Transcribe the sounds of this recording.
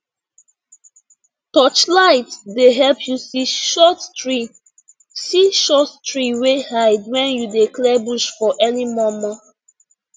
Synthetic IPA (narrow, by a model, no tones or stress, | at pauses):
tɔt͡ʃlaɪtdeɦɛlpʰjusiʃɔtɹi | siʃɔttɹiwehaɪdwɛ̃njudeklɛbuʃfɔʔɛnimɔmɔ